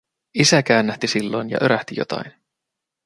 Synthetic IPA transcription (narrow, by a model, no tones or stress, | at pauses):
isæk̟æːnːæht̪isilːo̞jnjɑ̰ʔø̞ɾæht̪ijo̞̰t̪ɑ̰jn